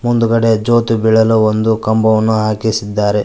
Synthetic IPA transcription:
mund̪uɡɐɽe̞d͡ʒo̞ːt̪ubiɭɐluond̪ukɐmbɐʋɐnːuɦaːkisid̪ːaːɾe

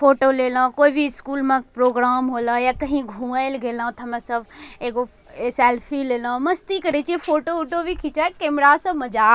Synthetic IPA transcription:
foːʈoleːlãːkoːibʱiɪskuːlmãpɾoːɡɾaːmɦoːlajaːkɐɦĩɡʱũːaːelɡeːlãːt̪ʰɐmãsɐbʱeːko | sɛːlpʰileːlãmɐst̪ikɐɾet͡ʃiefʰoːʈoʊʈobʱikʰɪt͡ʃakeːmɾaːsɐmɐd͡ʒaː

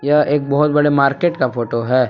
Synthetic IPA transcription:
jɐeːk̚bɐɦʊt̪̚bɐɽemaːɾkeːʈkafoːʈoɦɛː

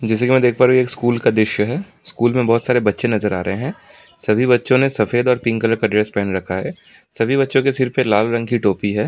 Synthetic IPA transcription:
d͡ʒɛːs̬ekimɛ̃ːd̪eːk̚ʰpaːɾũeːkskuːlkad̪ɪʃjəɦɛː | skuːlmẽbɔɦːt̪saːɾebɐtːʃenɐzəɾaːɾɐɦeɦɛ̃ː | sɐbʱibɐtːʃõnesɐfeːd̪ɔːɾpɪ̃ŋkələɾkaɖɾeːspɛːnɾɐkʰaɦɛː | sɐbʱibɐtːʃõkesɪɾpelaːlɾɐ̃ŋɡkiʈoːpiɦɛː

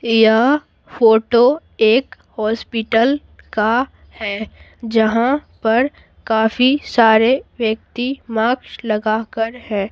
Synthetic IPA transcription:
ja | foːʈo | eːk | hɔːspɪʈəl | ka | hɛː | d͡ʒɐɦãpɐɾ | kaːfisaːɾeʋjək̚t̪imaːkʃlɐɡakəɾhɛː

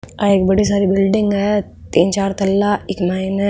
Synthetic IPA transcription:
ɐeːkbɐɽis̬aːɾibɪlɖɪ̃ŋɡɦɛ | t̪iːnt͡ʃaːɾt̪ɐlːaɪkmaːinɛ

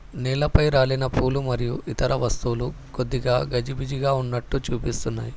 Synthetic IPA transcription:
nɛːlɐpɐjɾaːɭinɐpʰuːlumɐɾijuʔit̪ɐɾɐʋɐst̪uːlu | kod̪ːiɡaːɡɐd͡ʒibid͡ʒiɡaːunːɐʈːut͡ʃuːpist̪unːa̰ːji

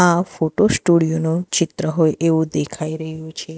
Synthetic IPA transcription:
ãfoʈosʈuɽijonot͡ʃɪt̪ɾəɦojʔeʋũd̪ekʰaiɾəɦjũt͡ʃʰe

